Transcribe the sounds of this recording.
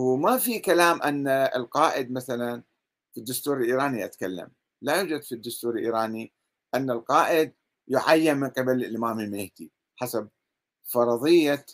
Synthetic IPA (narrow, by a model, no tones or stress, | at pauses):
mafikalaːmʔanːaɪ̰lqɑːʔɪd̪maθalan | fid̪ːʊst̪uːɾɪlʔiːɾaːniʔat̪kalːa̰m | lajuːd͡ʒad̪fid̪ːʊst̪uːɾɪlʔḭːɾaːni | ʔanːalqɑːʔɪd̪̚ | jʊʕajːɪnmɪnqɪbalʔɪmaːmimeːht̪i | ħasab̚ | fɑɾˤɑðˤɨjːa